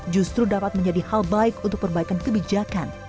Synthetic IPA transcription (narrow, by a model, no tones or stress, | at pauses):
d͡ʒust̪ɾudapat̪̚məɲd͡ʒadihalbaɪkunt̪ʊk̚pərbaikankəbid͡ʒakan